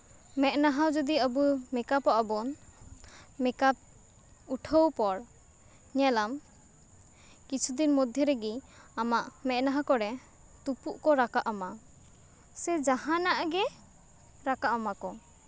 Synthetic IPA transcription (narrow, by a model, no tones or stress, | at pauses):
mɛʔ̚naɦawd͡ʒɔd̪iəbumɛkapaʔabɔn | mɛkap̚ | uʈʰəwpɔɽ | ɲɛlam | kit͡ʃʰud̪inmɔd̪ʱjɔɾɛɡiamaʔmɛʔnaɦãkɔɽɛ | t̪upuʔkɔɾakaʔama | sɛd͡ʒaɦanaʔɡɛ | ɾakaʔamakɔ